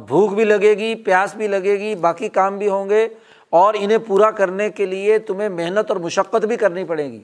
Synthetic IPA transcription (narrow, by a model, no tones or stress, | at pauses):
bʱuːkbʱilɐɡeːɡipjaːsbʱilɐɡeːɡibaːkikaːmbʱiɦõːŋɡe | ɔːɾɪnɦẽpuːɾakɐɾnekeliet̪ʊmẽmɛɦnət̪ɔːɾmʊʃəqːət̪bʱikɐɾnipɐɽeːɡḭː